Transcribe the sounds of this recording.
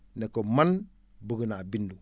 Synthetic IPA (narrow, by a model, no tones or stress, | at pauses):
nekoman | buɡunabindu